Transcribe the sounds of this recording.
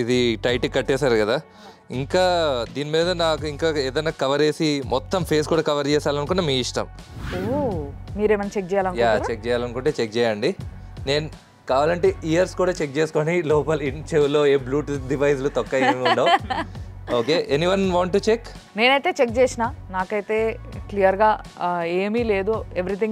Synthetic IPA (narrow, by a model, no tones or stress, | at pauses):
id̪iʈɐjʈikːɐʈːɛːsaːɾkɐd̪aː | iŋkaːd̪iːnimiːd̪ɐnaːkuiŋkaːeːd̪ɐjnaːkɐʋɐɾeːsimɔt̪ːɐmpʰe̞ːskuːɽaːkɐʋɐɾt͡ʃɛːsaːlɐnukunːɐmiːiʂʈɐ̰m | oːmiːɾeːmɐnt͡ʃek̚d͡ʒɛːjaːlɐnukjaːt͡ʃek̚d͡ʒɛːjaːlɐnukuɳʈeːt͡ʃek̚t͡ʃɛːjaːɳɖi | ne̞ːnu | kaːʋaːlɐɳʈeːijɐɾskuːɽaːt͡ʃek̚t͡ʃeːsu̥koːnilɔːpɐliɳt͡ʃeʋulːo̞ːeːbluːʈɖiʋɐjs̬lut̪ɔkːɐemiuɖoː | oːkeːʔenːiʋɐnʋoːɳʈːut͡ʃek | ne̞ːnɐjt̪e̞ːt͡ʃek̚t͡ʃeːsinaːnaːkɐjit̪e̞ːklijɐɾɡaːeːmile̞ːd̪ueʋɾit̪ʰiŋ